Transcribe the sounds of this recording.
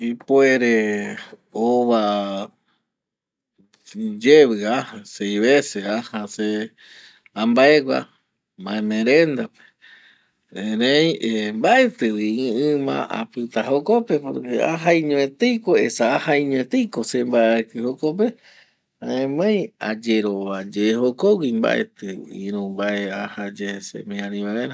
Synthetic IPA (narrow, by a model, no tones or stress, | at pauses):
ipoeɾe | oβa | d͡ʒeβɨahasejβeseahase | ãmbaeɡʷa̰ | mãẽmẽɾẽnd̪ape̥ | ẽɾejembaet̪ɨwiɨ̃mã̰ʔa̰pɨt̪aɦokope̞poɾkeaɦaĩɲõet̪ejkoesaahaĩɲw̃ẽt̪ejko̞sembaeekɨhokop̬e | aẽmẽj̃ad͡ʒeɾo̞βad͡ʒehokowimba̰ʔḛt̪ɨḭ̃ɾũmbaeahad͡ʒesḛmẽãɾĩβaeɾa